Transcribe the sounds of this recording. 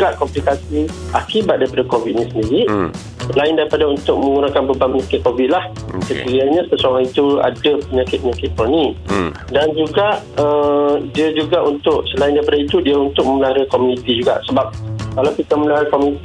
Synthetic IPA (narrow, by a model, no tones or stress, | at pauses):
ɡaʔkɔmplikasiakibat̪̚daɾipadakovit̪̚ɲĩsəndiɾiʔ | səlaɪndaɾipadaunt̪ʊk̚mə̃ŋɡunakanbəbanpəɲakɪt̪̚kovɪt̪̚lah | səkiɾaɲãsəsoŋaŋit̪ua̰dəpəɲakɪt̪̚pəɲakɪt̪̚pɔni | dand͡ʒuɡaʔədiəd͡ʒuɡaʔunt̪ʊʔsəlaɪndaɾipadait̪udiaunt̪ʊk̚məməlaɦaɾakomunit̪id͡ʒuɡa̰ʔsəbap̚kalawkit̪aməmlaaɾakomunit̪i